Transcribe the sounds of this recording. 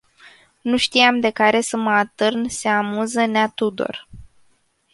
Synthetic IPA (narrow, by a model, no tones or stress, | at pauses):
nuʃt̪ijamd̪e̞kaɾe̞səməat̪ɨrnse̞amuzəneat̪ud̪o̞̰r